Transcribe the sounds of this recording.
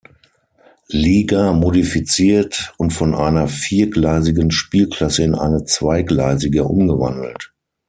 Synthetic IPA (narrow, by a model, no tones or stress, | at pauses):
liːɡamodifit͡siːɐtʊntfɔnʔa̰ɪnɐfiːɐɡlaɪzɪɡənʃpiːlkl̥asəɪnʔa̰ɪnət͡sv̥aɪɡla̰ɪzɪɡəʔʊ̰mɡəva̰ndl̩t